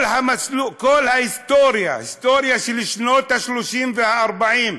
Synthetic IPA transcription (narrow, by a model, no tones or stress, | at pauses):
lhamasluːʔkʊlːhahɪst̪oːɾja̰hɪst̪oːɾjaʃilɪʃnoːt̪ːaʃluʃiːnfiːhaʔɑɾˤbaʕiːn